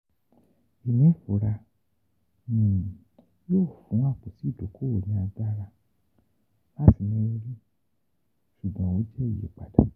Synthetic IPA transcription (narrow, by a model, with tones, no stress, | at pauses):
i˨nĩ˨˦˨fo˨˦ɾa˧ | nĩ˨ | joː˦˨fũ˨˦a˦˨k͡pu˨ti˨˦˨do˨˦kʰo˦ɾo˨ɲĩ˧˦a˧da˦ɾa˧ | la˦ti˨nĩ˦o˧ɾi˦ | ʃu˨ɡ͡bɔ̃˧wo˦d͡ʒɛ˦i˦˨jḛ˨k͡pa̰˨da̰˨˦